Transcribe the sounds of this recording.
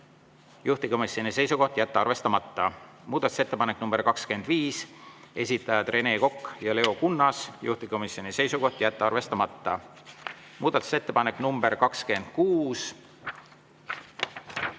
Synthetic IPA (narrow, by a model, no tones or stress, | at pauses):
juht̪iko̞misʲo̞nise̞jsuko̞ht̪jæt̪ːeɑrve̞st̪ɑmɑt̪ːɑ | muːd̪̥ɑt̪u̥se̞t̪ːe̞pɑnekːˑnumb̥e̞ɾkɑkske̞nd̪̥viːse̞sʲit̪ːˑɑjɑd̪re̞ne̞ːko̞kːjɑle̞o̞kunːɑsjṵht̪iko̞misʲjo̞nʲise̞jsuko̞ht̪jæt̪ˑːeɑrve̞st̪ɑmɑt̪ˑːɑ | muːd̪̥ɑt̪ːˑu̥se̞t̪ːepɑne̞kːˑnumb̥eɾkɑkske̞nd̪̥̚kuːs